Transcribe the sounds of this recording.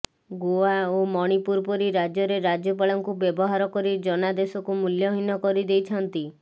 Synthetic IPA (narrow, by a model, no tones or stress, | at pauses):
ɡoaomɔɽ̃ipuɾpɔɾiɾad͡ʒjɔɾeɾad͡ʒjɔp̬aɭɔŋkubjɔbɔɦaɾɔkɔɾid͡ʒɔnad̪esɔkumuljɔɦinɔkɔɾid̪ejt͡ʃʰɔnt̪i